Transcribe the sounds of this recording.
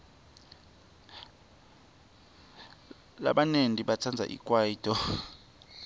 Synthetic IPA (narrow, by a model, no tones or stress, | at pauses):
la̰ɓanendʱʼiɓat͡sʰand͡zʱa̰ʔḭkʼwajiːtʰʼɔ